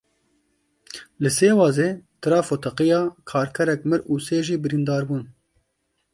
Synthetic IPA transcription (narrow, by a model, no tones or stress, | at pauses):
lɨseːwɑːzeːt̪ʰɨɾɑːfot̪ʰɑqijɑːkʰɑːɾkʰɛɾɛkmɨɾuːseːʒiːbɨɾiːnd̪ɑːɾbuːn